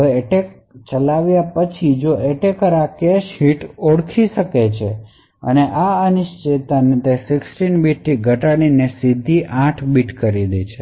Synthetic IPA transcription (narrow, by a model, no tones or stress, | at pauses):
eʈek̚ | t͡ʃəlaʋjapət͡ʃʰid͡ʒoeʈekəɾakeʃɦiʈoɽkʰiʃəket͡ʃʰe | ə̰neʔaəniʃt͡ʃet̪anit̪esɪksʈinbiʈ̚t̪iɡʱəʈaɽ̃inesid̪ʱiʔãʈʰbiʈkəɾid̪et͡ʃʰe